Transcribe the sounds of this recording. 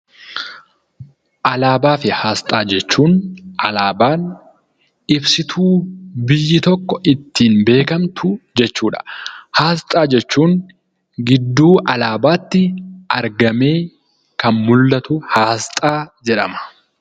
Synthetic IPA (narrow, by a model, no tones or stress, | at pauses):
ʔɐlaːbaːfɪhaːst̪ʼaːd͡ʒɛt͡ʃːuːnʔɐlaːbaːn | ɪbsɪt̪ʰuːbɪjːɪt̪ɔkːɔʔɪt̪ːiːnbe̞ːkɐmt̪ʰʊd͡ʒɛt͡ʃːuːᶑɐ̥haːst̪ʼaːd͡ʒɛt͡ʃːuːn | ɡɪd̪ːuːʔɐlaːbaːt̪ːɪɐɾɡɐme̞ː | kɐnmʊlːɐt̪ʊhaːst̪ʼaːd͡ʒɛᶑɐmɐ̥